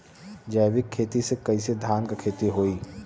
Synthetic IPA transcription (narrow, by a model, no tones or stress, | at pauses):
d͡ʒəjbɪkʰːeːt̪isekɐised̪ʱaːnkakʰeːt̪iɦoːiː